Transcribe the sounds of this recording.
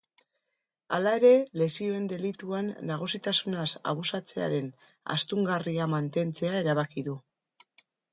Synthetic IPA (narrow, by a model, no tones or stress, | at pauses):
alae̞ɾe̞le̞sio̞e̞nd̪e̞lit̪uanːaɣ̞usit̪asunasa̰β̞usat͡se̞a̰ɾe̞n | a̰st̪uŋɡariamant̪e̞nt͡se̞ae̞ɾaβ̞akiðu